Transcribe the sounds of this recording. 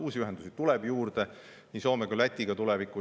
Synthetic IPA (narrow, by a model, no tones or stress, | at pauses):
uːsʲiyɦɛnd̪usit̪ulɛb̥juːɾd̪̥e | niso̞ːmekolæt̪ʲːˑiɡ̥ɑt̪ulɛvikːˑu